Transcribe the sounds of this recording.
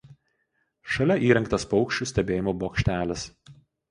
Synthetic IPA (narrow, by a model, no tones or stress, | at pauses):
ʃɐlʲɛʔiːɾʲɛŋkt̪ɐspɒʊkʃʲt͡ʃʲuːsʲt̪ʲɛbʲeːjɪmoːboːkʃʲt̪ʲæːlʲɛs